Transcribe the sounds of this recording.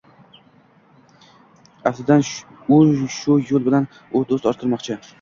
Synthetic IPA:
aslɪd̪an | ozʃʊjolˠbɪlan | ot̪osɒɾt̪ʰɪɾmɒqt͡ʃʰɪ

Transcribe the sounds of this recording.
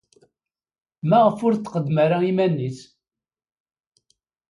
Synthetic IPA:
mæʁəfʊɾt͡s̪ːqəd̪məɾaimænːis

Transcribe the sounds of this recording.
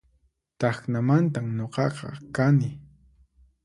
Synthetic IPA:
t̪ɑxnamant̪amɲoqɑqɑ̰kanɪ

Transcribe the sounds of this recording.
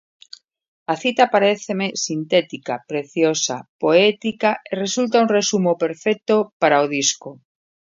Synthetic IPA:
aθit̪apaɾeθemesint̪et̪ikapɾeθjosapoet̪ikaʔeresult̪aunresumope̞ɾfek̚t̪opaɾaoð̞isko

